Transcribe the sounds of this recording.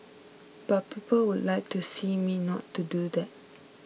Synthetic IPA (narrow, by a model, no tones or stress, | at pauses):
b̥at̚pʰipʰəlwudlaɪk̚tʰusiminɔ̰tʰːudud̪ɛt̚